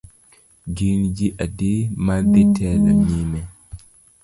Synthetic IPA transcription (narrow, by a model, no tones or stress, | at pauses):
ɡind͡ʒiʔadimadɛtʰɛːlaɲimɛ